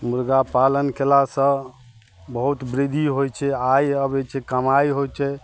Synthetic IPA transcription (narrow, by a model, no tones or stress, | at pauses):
muɾɡapalənkelasə̃ | bəɦut̪bɾid̪ʱiɦojt͡ʃʰɛajəbɛt͡ʃʰɛkəmajɦojt͡ʃʰɛ